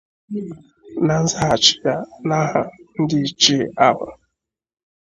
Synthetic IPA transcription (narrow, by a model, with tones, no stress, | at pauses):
na˨n̩˦za˦a˨t͡ʃɪ̥˦ja˦na˦ɦa˨n̩˦dɪ˦˨t͡ʃi˦˨a˦ba̰˨